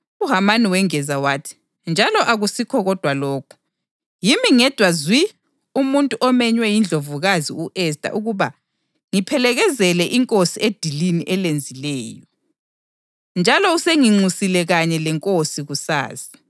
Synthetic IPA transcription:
uɦamaniwɛŋɛzawaːtʰi̥ | nd͡ʒʱalɔʔaɣusikʰɔɣɔd̥ʱwaloːkʰu̥ | jimiŋɛd̥ʱwazwi | umuntʼuʔɔmɛɲwɛjind͡ɮʱovuɣazḭuʔɛsdʼʱa̰ʔuɣuβa̰ | ŋipʰɛlɛɣɛzɛlɛʔiŋkʼosied̥ʱiliniʔɛlend͡zʱilɛːjɔ | nd͡ʒʱalɔuseŋiŋ͡ǀusilɛɣaɲɛlɛŋkʼosiɣusa̰ːsi̥

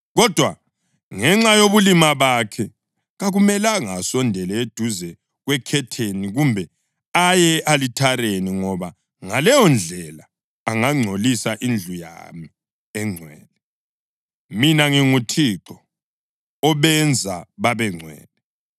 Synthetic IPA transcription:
ɣɔd̥ʱwa | ŋɛŋ͡ǁajoβulimaβakʰɛ | ɣaɣumɛlaŋasɔndʱɛlɛed̥ʱuzɛ | ɣwɛkʰɛtʰeniɣumbʱɛ | ajɛʔalitʰaɾeniŋɔβa | ŋalɛjɔnd͡ɮʱɛlaː | ŋaŋ͡ǀʱolisaʔind͡ɮʱuja̰mi | ɛŋ͡ǀʱwɛːlɛ | minaŋiŋutʰiǁɔ | ɔβɛnd͡zʱaβaβɛŋ͡ǀʱwɛ̰ːlɛ

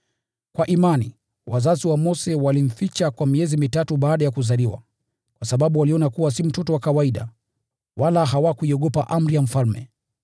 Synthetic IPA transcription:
kwaʔimanḭ | wʔazaziwamɔsɛwalim̩fit͡ʃakwamiɛzimitatuɓaːɗajakuzaliwa̰ | kwasaɓaɓuwaliɔnakuwas̬im̩tɔtɔwakawaiɗa̰ | walaɦawakuiɔɠɔpaʔam̩ɾijam̩falmɛ̰

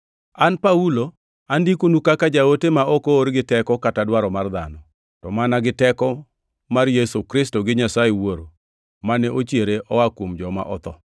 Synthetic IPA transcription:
anpaulo | andikonukakad͡ʒaotemaʔɔkooɾɡɪtɛkɔkatadwaɾɔmard̪anɔ | tɔmanaɡɪtɛkɔ | marjesokɾɪstoɡɪɲasajewoɾo | manɛʔot͡ʃjeɾeʔɔwakwomd͡ʒɔma̰ʔɔt̪ɔ

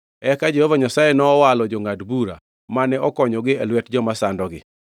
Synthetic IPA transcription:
ɛkad͡ʒehovaɲasajenɔːwalɔd͡ʒɔŋadbuɾa̰ | manɛɔkɔɲɔɡɪɛlwɛtd͡ʒɔmasandɔɡɪ

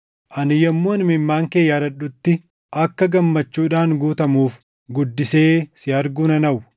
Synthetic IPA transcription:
ʔɐnɪjɐmːoːnmɪmːaːŋkeːjːaːɾɐɗʊt̪ːɪ | ʔɐkːɐɡɐmːɐt͡ʃːuːᶑaːŋɡuːt̪ɐmuːf | ɡʊd̪ːɪse̞ːsɪɐɾɡuːnɐnɐʔʊ

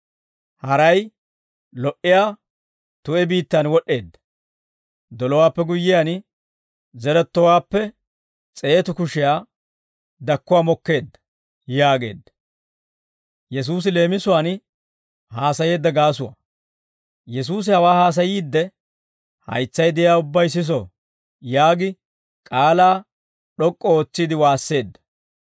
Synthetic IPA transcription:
hɐɾɐj | lɔʔɪjaː | t̪ʊʔɛbiːt̪ːɐnwɔɗːe̞ːd̪ːɐ̥ | d̪ɔlɔwaːpːɛɡʊjːɪjan | zɛɾɛt̪ːɔwaːpːɛ | t͡sʼe̞ːt̪ʊkʊʃɪjaː | d̪ɐkːʊwaːmɔkːe̞ːd̪ːɐ̥ | jaːɡe̞ːd̪ːɐ̥ | jɛs̬uːs̬ɪle̞ːmɪsʊwaːn | haːsɐje̞ːd̪ːɐɡaːs̬ʊwɐ̰ | jɛs̬uːs̬ɪhɐwaːhaːs̬ɐjiːd̪ːɛ | hɐ̰jt͡sːɐjd̪ɪjaːʊbːɐjs̬ɪs̬o̰ː | jaːɡɪ | kʼaːlaː | ɗɔkʼːɔoːt͡sːiːd̪ɪwaːsːe̞ːd̪ːɐ̥

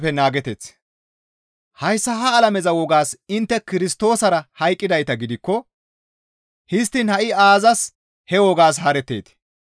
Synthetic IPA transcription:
pɛnaːɡɛt̪ɛt͡s | hɐjsːɐɦɐːlɐmɛzɐwɔɡaːsɪnt̪ːɛkɪɾɪst̪o̞ːsɐɾɐhɐjkʼːɪd̪ɐjt̪ɐɡɪd̪ɪkːɔ | hɪst̪ːɪnhɐʔɪaːzɐs | hɛwɔɡaːs̬hɐɾɛt̪ːḛːt̪ɪ̥

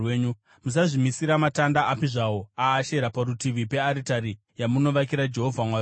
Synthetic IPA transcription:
eɲu | mus̬aʐimisiɾamatandaʔapiʐawoaːʃe̞ɾapaɾutiʋipe̞aɾitaɾi | jamuno̞ʋak̬iɾad͡ʒe̞ɦo̞vʱamwaj

